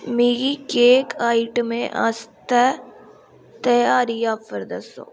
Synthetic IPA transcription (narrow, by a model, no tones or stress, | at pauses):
miɡikeːkaːɪʈmẽʔa̰st̪ɛ | t̪ɐjaːɾijaːpːəɾd̪əso̰